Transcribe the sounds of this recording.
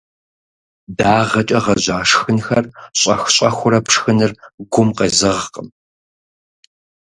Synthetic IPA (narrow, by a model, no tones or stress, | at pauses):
daːʁɐt͡ʃʼɐʁɐʑaːʂxɨnxɐrɕʼɐxɕʼɐxʷʊɾɐpʰʂxɨnɨrɡʷʊmqɐzɨʁqəm